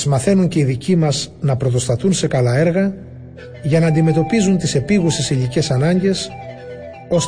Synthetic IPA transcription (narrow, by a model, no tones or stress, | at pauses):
zmɐθe̞nuɲce̞iðicimɐznɐpɾo̞t̪̬o̞st̪ɐθunse̞kɐlɐe̞ɾɣɐ | ʝɐnɐːnd̪ime̞t̪o̞pizunt̪ise̞piɣusesiʎice̞sɐnɐɲɟe̞s | o̞s